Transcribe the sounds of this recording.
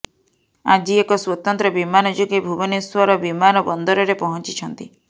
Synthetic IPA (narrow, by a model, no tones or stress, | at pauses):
ad͡ʒiekɔswot̪ɔnt̪ɾɔbimanɔd͡ʒoɡebʱubɔneswaɾɔbimanɔbɔnd̪ɔɾɔɾepɔɦɔnt͡ʃit͡ʃʰɔnt̪i